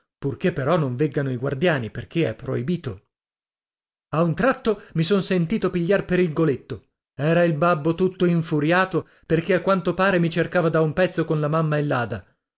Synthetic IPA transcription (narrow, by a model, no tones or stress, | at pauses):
purkepːeɾɔnːõɱveɡːanoiɡward̪jaːniperkʰeɛ̰pːɾoibiːt̪o | aunt̪ɾat̪ːomisonsent̪iːt̪opiʎːarpeɾilɡolet̪ːo | ɛːɾailbabːot̪ut̪ːoiɱfuɾjaːt̪o | perkeakːwant̪opaːɾemit͡ʃerkaːvad̪aumpɛt̪sːokonlamamːaelːaːd̪a